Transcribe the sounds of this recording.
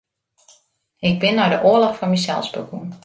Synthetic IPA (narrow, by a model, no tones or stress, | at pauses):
ɪk̚bɪnːɔjdəʔoəlɔxfɔnmisɛ̰lˠsbə̰kun